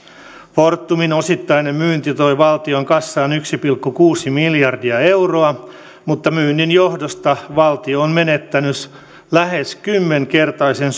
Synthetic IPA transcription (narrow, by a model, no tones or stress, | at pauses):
fort̪ːuminosit̪ːɑjnemmyːnt̪it̪o̞jʋɑlt̪ioŋkɑsːɑːnyksipilkːukuːsimiljɑrdiɑe̞wroɑ | mut̪ːɑmyːnːinjo̞hdost̪ɑʋɑlt̪ioːnmenet̪ːænys | læhe̞skymːeŋke̞rt̪ɑisens